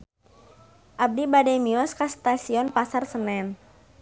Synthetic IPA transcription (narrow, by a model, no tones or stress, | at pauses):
ʔab̚dibadɛmiɔskast̪asiɔnpasarsənɛn